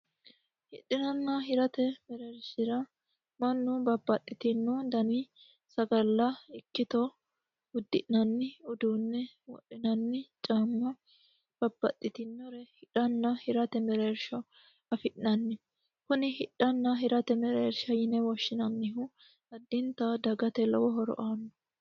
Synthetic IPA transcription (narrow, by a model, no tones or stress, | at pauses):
hɪ̰ɗːɪnɐnːɐɦɪɾɐt̪ɛmɛɾeɾʃɪɾɐ | mɐnːʊbɐbːɐt̪ʼːɪt̪ɪnːɔd̪ɐni | sɐɡɐlːɐɪkːɪt̪ɔ | ʊd̪ːɪʔnɐnːɪʊd̪uːnːɛwɔ̰ɗːɪnɐnːɪt͡ʃʼaːmːɐ | b̥ɐbːɐ̰t̪ʼːɪt̪ɪnːɔɾɛhɪᶑɐnːɐhɪɾɐt̪ɛmɛɾeːɾʃɐ | ɐfɪʔnɐnːɪ | kʊnɪhɪᶑɐnːɐɦɪɾɐt̪ɛmɛɾeːɾʃɐjɪnɛwɔʃːɪnɐnːɪɦʊ | ɐd̪ːɪnt̪ɐd̪ɐɡɐt̪ɛlɐ̰wɔɦɔɾɔ̰ʔaːnːɔ